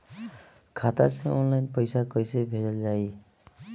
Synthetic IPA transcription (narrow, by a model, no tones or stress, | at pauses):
kʰat̪a̰sɛɔnlajnpɔjsakojsebʱedɔlzaj